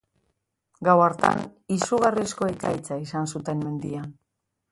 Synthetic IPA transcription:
ɡawaɾt̪a̰nisuɣarisko̞ekajt͡saisansut̪e̞mme̞nd̪ian

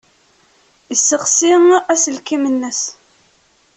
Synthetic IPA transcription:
isːəʁsiŋæsəlkimənːəs

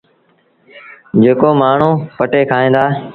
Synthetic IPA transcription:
d͡ʒeːkoːmaːɳ̤ũːpəʈeːkʰaːɦẽːd̪aː

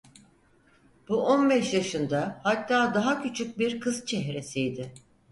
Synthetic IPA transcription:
b̥uʔo̞nbɛʃjaʃɯnd̪ahat̪ʰːaːd̪aɦacʰyt͡ʃʰyc̚biɾkʰɯz̥t͡ʃʰɛɦɾe̞sijd̪ɪ

